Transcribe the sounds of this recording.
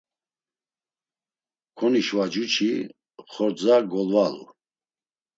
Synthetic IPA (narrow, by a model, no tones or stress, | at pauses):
kʰɔniʃwad͡ʒut͡ʃʰi | χɔɾd͡zaɡɔlvalṵ